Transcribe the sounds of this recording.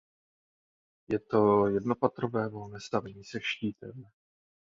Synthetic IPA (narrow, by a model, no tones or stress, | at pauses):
jɛt̪o̞jɛdno̞pat̪ɾovɛːvo̞lnɛːst̪avɛɲiːsɛʃciːt̪ɛm